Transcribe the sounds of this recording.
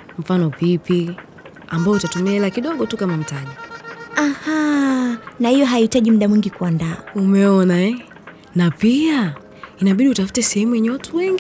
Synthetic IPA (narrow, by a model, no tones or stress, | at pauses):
m̩fanɔvipi | ambaɔutatumiaɛlakiɗɔɠɔtukamam̩taɲiaha | nahijɔɦaitaʄim̩ɗamwiŋɡikuandaa̰umɛɔnaɛ | napia | inaɓiɗiutafu̥tɛsɛhɛmujɛɲɛwatuwɛŋɡi